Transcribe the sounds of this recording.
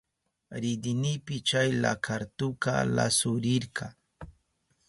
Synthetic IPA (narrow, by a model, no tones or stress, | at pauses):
ɾɪd̪ɪnɪjpɪt͡ʃajla̰kʰaɾt̪ʊka̰la̰sʊɾɪɾkɑ